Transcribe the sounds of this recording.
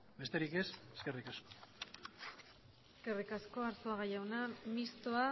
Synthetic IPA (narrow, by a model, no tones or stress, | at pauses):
be̞st̪e̞ɾike̞seske̞rikasko̥ | eske̞rikasko̞aɾsoaɣajawnamist̪oa